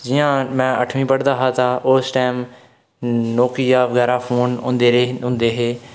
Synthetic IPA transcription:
d͡ʒɪjãːmɛ̃ːəʈʰmĩːpəɽd̪aːɦaːt̪ʰaːʔosʈaːm | noːkiːjaːʋəɡɛːɾaːpʰoːnʊ̃nd̪eːɾeɦʊ̃nd̪eːɦeː

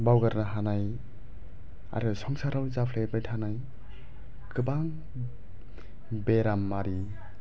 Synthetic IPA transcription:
bawɡaɾnaɦanaj | a̰ɾɯsɔŋsaɾawzapʰlebɾethanaj | kɯbaŋ | beɾamːaɾi

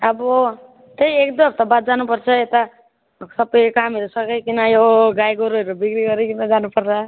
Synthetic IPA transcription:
ʌbɔ | t̪ejekd̪ʌpt̪ʌbat̪̚d͡ʒanupʌɾt͡ʃʰʌet̪a | sʌpːʌjkɦamiɾosʌkejkinajoɡajɡoɾoɾobikɾiɡʌɾekinad͡ʒanupʌɾt͡ʃʰa

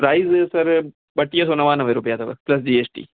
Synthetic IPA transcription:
pɾɐɪzsɐɾ | bɐʈːijɐsɔnːɐʋaːnɐʋɐɾubɪjaːd̪ɐʋɐ̰plɐs̬d͡ʒiːet͡ʃʈḭː

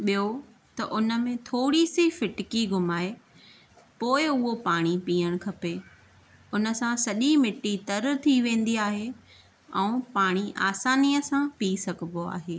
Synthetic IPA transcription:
ɓijo | t̪ɐʔʊnə̆mẽt̪ʰoːɽisifɪʈɪkiɡʱʊmaːe | poːɪʊɦopaːɽ̃ipiːəɽ̃kʰɐpe | ʊnə̆sãsɐʄimɪʈit̪ɐɾt̪ʰiʋẽːn̆d̪iaːɦe | ɛ̃ũpaːɽ̃iʔa̰ːsaːnijəsãpiːsɐɡʱəboa̰ːɦeː

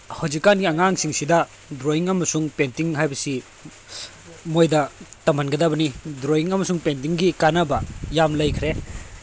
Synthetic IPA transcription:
hawd͡ʒikːanɡiɐŋaŋsiŋsidɐ | dɾoiŋɐmɐsuŋpentiŋɦajbɐsi | mojdɐtɐmɐnɡɐdɐbɐnidɾoiŋɐmɐsuŋpent̬iŋɡikanɐbɐjamlɐjkʰɾe

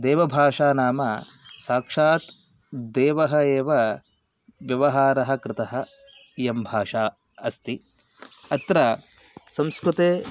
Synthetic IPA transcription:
d̪ɛːʋɐbʱaːʂaːnaːmɐ | saːkʂaːt̪ | d̪ɛːʋɐɦɐeːʋɐ | ʋjɐʋɐɦaːɾɐɦɐ̆kɾɪt̪ɐɦɐ | jɐmbʱaːʂaː | ɐst̪i | ɐt̪ɾɐ | sɐmskɾut̪eː

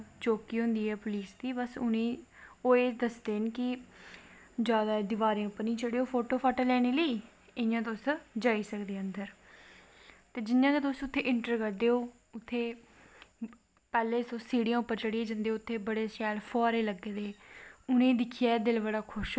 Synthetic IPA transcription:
t͡ʃoːkiːɦʊ̃nd̪iːɛːpʊliːsd̪iːbəsʊnẽːoːeːd̪əsd̪eːnkɪ | d͡ʒjaːd̪aːd̪ɪʋaːɾẽːʊpːəɾnĩːt͡ʃəɽeːoːpʰoːʈoːpʰaːʈəlɛːneːləiː | ɪjãːt̪̬osd͡ʒaːiːsəkd̪eːənd̪əɾ | t̪eːd͡ʒɪnjãːket̪osʊt̪ʰːeːʔɪɳʈəɾkəɾd̪eːoː | ʊt̪ʰːeː | pɛːleːsõːsiːɽijãːʊpːəɾt͡ʃəɽiẽːd͡ʒə̃nd̪eːoːʊt̪ʰːeːbəɽeːsɛːlpʰɔːɾeːləɡːeːd̪eːʊnẽːd̪ɪkʰiːaːd̪ɪlbəɽaːkʰʊʃ

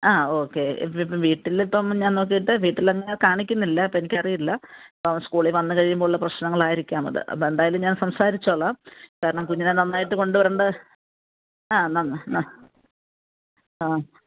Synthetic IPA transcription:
aːo̞ːkːe̞̰ipːɐmʋiːʈːilipːɐmɲaːnnoːk̬ːijiʈːɨʋiːʈːilɐŋːɐnekaːɳikʲːunːilːɐpːoenikʲːɐrijilːɐpːoskuːɭiʋɐnːɨkɐɻijumboːɭːɐprɐɕnɐŋːɐɭaːjiɾikʲːaːmɐ̰ðɨ̰ʔɐ̰pːoend̪aːjɐlumɲaːnsɐmsaːɾit͡ɕːoɭːamkaːɾɐɳɐmkuɲːɐnenɐnːaːjiʈːɨko̞ɳɖuʋɐɾɐːɳɖɨ | aːnɐnːɨnɐ | aː

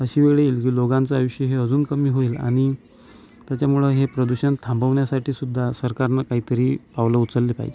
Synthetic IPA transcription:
əɕiːʋeɭeiːlkiːloɡãnt͡səajoʂjəɦeəd͡zuːnkəmiːɦoiːla̰ɽ̃i | t̪jat͡ɕjamuɭəɦepɾəd̪uɕənt̪ʰambəʋɳjasaʈʰiːsud̪ʱːasəɾkaɾnakaɦiːt̪əɾiːpaʋləutt͡səlːepa̰ɦid͡ʑe

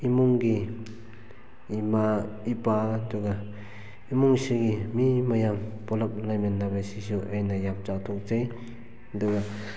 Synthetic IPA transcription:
imuŋɡi | maipaduɡa | imuŋsiɡimimajambɔlap̚lajmenːabajsisuʔajnajap̚zawtʰɔk̚zaj | aduɡa

